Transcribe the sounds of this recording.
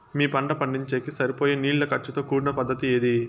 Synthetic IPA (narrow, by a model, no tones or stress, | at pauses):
miːpɐɳɖɐpɐɳɖiɲt͡ʃeːkisɐɾipoːjeːniːɭlɐkɐɾt͡ʃːut̪oːkuːɽnɐpɐd̪ːɐt̪ieːd̪i